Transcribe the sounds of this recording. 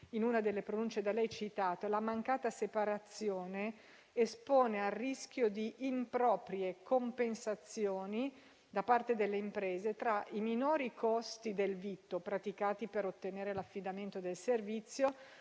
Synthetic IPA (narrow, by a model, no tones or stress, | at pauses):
inunad̪elːepɾonunt͡ʃed̪alɛjt͡ʃit̪aːt̪elamaŋkaːt̪asepaɾat̪sːjoːneː | spoːnearːisk̟ʲjod̪iʔːmpɾɔːpɾjekompensat̪sːjoːni | d̪apart̪ed̪elːeimpɾeːzet̪ɾaiminoːɾikʰost̪id̪elvit̪ːopɾat̪ikaːt̪ipeɾot̪ːeneːɾelafːid̪ament̪od̪elservit̪sːjo